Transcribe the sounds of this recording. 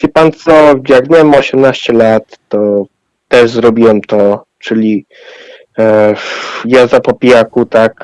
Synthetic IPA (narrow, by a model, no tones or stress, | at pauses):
vʲipant̪sɔjaɡvɲɛwɛmɔɕɛmnaɕt͡ɕɛlat̪ːɔ | t̪ɛʐzɾɔbʲiwɛmt̪ɔ | t͡ʂɘlʲi | jazapɔpʲijakut̪ak